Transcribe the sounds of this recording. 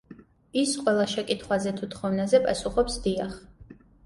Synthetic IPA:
isqʼwɛlˠaʃɛkʼit̪ʰχwazɛt̪ʰut̪ʰχɔvnazɛpʼasuχɔpsd̪iaχ

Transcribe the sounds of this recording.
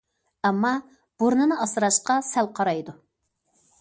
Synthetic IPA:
ɛmːɑ | b̥uɾnɨnɨɑsɨɾɑʃqɑsælqʰɑɾɑjd̪u

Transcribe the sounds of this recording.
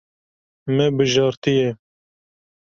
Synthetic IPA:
mɛbɨʒɑːɾt̪ɨjɛ

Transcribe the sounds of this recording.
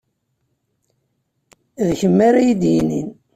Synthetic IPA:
ðçəmːaɾajid̪jinin

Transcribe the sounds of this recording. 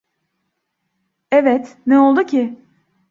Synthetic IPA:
evɛt̪nɛo̞lˠd̪ucʰɪ

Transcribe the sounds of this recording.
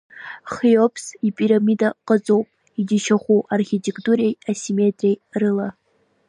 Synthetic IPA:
χijopʰsipʼiɾamidaqʼət͡sʼowpʼ | idiʃaχʷuʔarχʲitʰʼe̞kʰʼtʼuɾe̞jasimetʼrʲejrɨla

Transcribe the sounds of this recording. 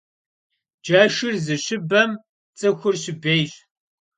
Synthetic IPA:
d͡ʒɐʃɪrzɨɕɪbɐm | t͡sʼɨxʷʊrɕɪbeːjɕʼ

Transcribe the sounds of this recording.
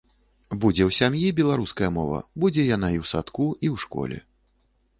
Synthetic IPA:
bud͡zʲɛwsʲamjibʲɛlˠaɾuskɐjɐmɔvɐ̰bud͡zʲɛjanaiwsat̪kuʔiwʂkɔ̰lʲɛ̰

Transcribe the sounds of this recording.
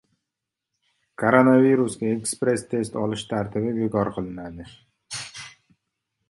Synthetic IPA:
kʰoɾonaviɾusɡʲaekspɾe̞st̪ʰe̞st̪ɒlˠɪʃt̪ʰaɾt̪ʰɪbɪvɪkɒɾqʰɨlˠɪnad̪ɪ

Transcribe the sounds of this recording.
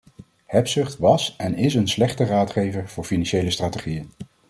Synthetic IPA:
hɛpsʏχtʋɑsɛnɪsənslɛχtəraːtχejvəɹv̥ʊːɹfinɑnʃejləstraːteχijən

